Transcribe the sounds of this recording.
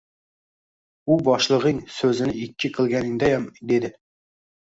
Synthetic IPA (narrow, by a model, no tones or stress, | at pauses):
ubɑʃlˠəʁɨŋsøzɪnɪɪkʲʰːɪqʰəlˠɡʲɛnɪŋd̪ɛjɛmd̪ed̪ɪ